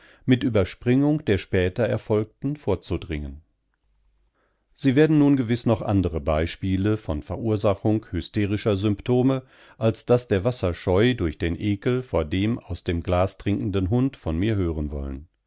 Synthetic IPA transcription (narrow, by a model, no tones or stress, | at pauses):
mɪtʔyːbɐʃpʁ̥ʏŋʊŋkd̥eːɐʃpɛːtɐɛɐfɔlk̚tn̩foːɐt͡sudʁɪŋən | z̥iːveːɐdn̩nuːnɡəvɪsnɔχʔa̰ndəʁəbaɪʃpiːləfɔnfɛɐʔuːɐzaχʊŋkhʏsteːʁɪʃɐzʏmptʰoːmə | ʔalsd̥asd̥eːɐvasɐʃɔʏdʊɐçd̥eːnʔeːkl̩foːɐdeːmaʊsd̥eːmɡlaːsd̥ʁ̥ɪŋkn̩dənɦʊntfɔnmiːɐɦøːʁənvɔ̰lə̰n